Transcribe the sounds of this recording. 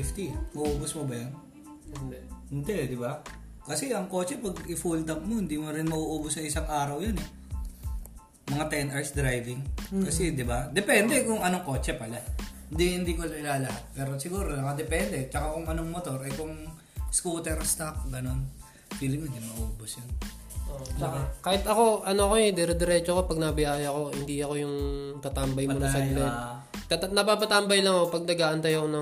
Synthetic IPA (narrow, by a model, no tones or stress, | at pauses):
ɪft̪imɐʔoːbʊsmobɐjan | hnd̪ɛd̪ɪba | kɐsɛʔɐŋko̞ːt͡ʃɛpɐɡɪfult̪ɐp̚mohɪnd̪iːmoɾɪnmɐʔuʔuːbʊsɐŋɪsɐŋʔaːɾɐwjɐnɛ | mɐŋat̪ɛnʔɐɹsd̪ɾajvɪŋkɐsɛd̪ɪbad̪ɛpɛnd̪ɛkʊŋɐnoŋko̞ːt͡ʃɛpɐla | nd̪ihɪnd̪ikolɐɪlaːlɐhat̪̚pɛːɾosɪɡuːɾolɐkɐd̪ɛpɛnd̪ɛt͡ʃɐkakʊŋɐnoŋmot̪o̞ɾɛkʊŋ | skuːt̪ɛɾst̪ak̚ɡɐno̞n | filɪmonɪmɐʔoːbʊsjʊn | t͡ʃɐkakaːhɪt̪ɐko̞ʔɐnoɐkoɛd̪ɛɾɛd̪ɾɛt͡ʃokopɐɡ̚nɐbɪjaːjɐko̞hɪnd̪iɐko̞jʊŋt̪ɐt̪ambɐjmonssɐlɛ | t̪ɐt̪nɐpaːpɐt̪ambɐjlɐŋɐkopɐɡ̚nɐɡaːʔɐnt̪ɐjɐkonɐ